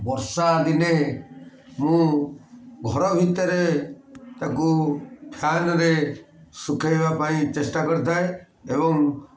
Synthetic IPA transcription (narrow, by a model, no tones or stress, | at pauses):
bɔɾsad̪ine | mũ | ɡʱɔɾɔɦit̪ːəɾe | t̪akupʰjanɾe | sukʰebapaĩt͡ʃesʈakɔɾt̪ae | ebɔŋ